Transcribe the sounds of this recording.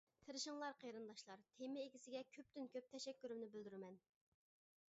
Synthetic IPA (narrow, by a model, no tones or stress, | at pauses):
t̪ʰɨɾɨʃɨŋlˠɑɾqʰejɾɨnd̪ɑʃlˠɑɾt̪ʰemɪeɡʲisɪɡʲɛkʲʰøp̚t̪ynkʲøp̚t̪ʰɛʃɛkʲːyɾymnɪbɪld̪yɾɪmɛn